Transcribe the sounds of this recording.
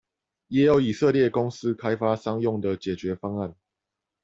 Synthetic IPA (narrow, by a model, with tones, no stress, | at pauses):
jɛ˨˥jo˨˦ʊi˨˩sə˥˧ljɛ˥˩˨kʊ˥ŋs̩˦˥kʰa˥ɪfa˦sɑ˥ŋjʊ˥˩ŋd̪ə˨t͡ɕjɛ˨˩t͡ɕɥɛ˨˦fɑ˥ŋa˥˩˨n